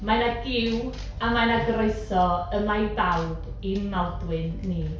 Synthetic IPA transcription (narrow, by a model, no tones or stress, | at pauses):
manaɡɪw | amanaɡɾoɨsɔəmajbawb | imawdwɨnːiː